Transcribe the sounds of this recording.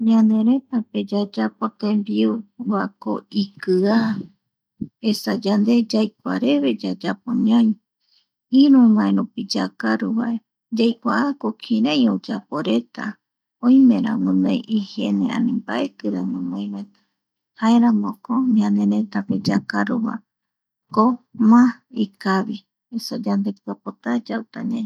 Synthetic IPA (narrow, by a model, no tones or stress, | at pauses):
ɲãnd̪e̞ɾe̞t̪ape̞d͡ʒad͡ʒapot̪ẽmbiuβako̰ikɨa | esad͡ʒand̪e̞d͡ʒajkʷa̰ɾe̞βe̞d͡ʒad͡ʒapoɲãj | iɾũwãeɾupid͡ʒakaɾuβa̰ʔe̞ | d͡ʒajkʷaʔakokʰĩɾajod͡ʒapo̞ɾe̞t̪a̰ | õjmẽɾã̰wũnajʔihenẽã̰nĩmbaʔekɨɾaɲõmojɾoet̪ḁ | haeɾãmõkoɲãnẽ̞ɾẽt̪aped͡ʒakaɾuβa̰ | komãikaβi | esad͡ʒand̪e̞p̚ɨapot̪ad͡ʒawt̪aɲã